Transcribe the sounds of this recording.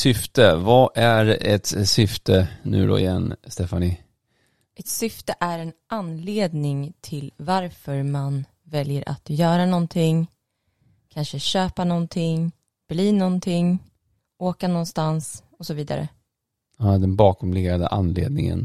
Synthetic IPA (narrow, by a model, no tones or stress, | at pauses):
sʏft̪əvaʔæɾɛt̪sʏft̪ʰənʉ̟̰ːd̪ɔ̰ɪ̰jɛnːst̪ɛfanɪ | ʔɛt̪sʏft̪əʔæɾɛn | anːleːd̪nɪŋt̪ʰɪlvaɾfœɾman | vɛljəɾʔa̰t̪jœːɾanɔnt̪ʰɪŋ | kʰanʂəɕøːpanɔnt̪ʰɪŋ | b̥liːnɔnt̪ʰɪŋ | oːkanɔnst̪ans | ɔsɔviːd̪a̰ɾə̰ | ad̪ɛnbɑːkɔmleɡɾad̪ə̰ʔanːlḛːd̪̚nɪŋə̰n